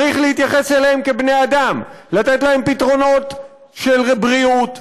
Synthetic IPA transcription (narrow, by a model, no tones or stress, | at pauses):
ʁiχlehit̪jaχe̞seleemkebnejad̪amlat̪etlahe̞mpit̪ʁo̞no̞t̪ | ʃelʁebʁiut̪